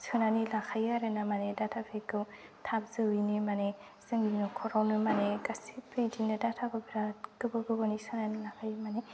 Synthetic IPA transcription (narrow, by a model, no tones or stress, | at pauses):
sɯnanilakʰajaɾenamanedatʰapʰekɯwtʰabzɯɯjnimane | sɯŋinɯkʰɔɾawnɯmaneɡasipidinɯdatʰakɯbiɾakɯbɯɡɯbɯnisɯnanilakʰajmane